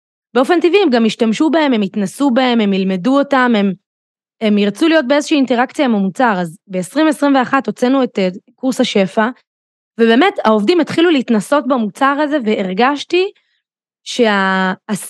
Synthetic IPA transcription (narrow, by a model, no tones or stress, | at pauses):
beo̞fe̞ntiviːmɡamiʃtamʃubahe̞memitnasubae̞me̞milme̞duotame̞m | emiʁt͡sulijo̞t̚beezoʃiːinteʁakt͡sijaimamut͡saʁazbe̞esʁimesʁimve̞aχato̞t͡senuetekuʁshaʃe̞fa | vebeːme̞tao̞vdimetχiluliitnaso̞tbamut͡saʁaze̞veʔeʁɡaʃti | ʃe̞aː